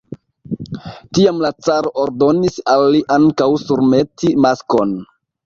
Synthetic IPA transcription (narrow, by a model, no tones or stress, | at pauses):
tiamlat͡saɾoʔoɾdo̞nisalːiʔaŋkawsuɾme̞tʰimasko̞n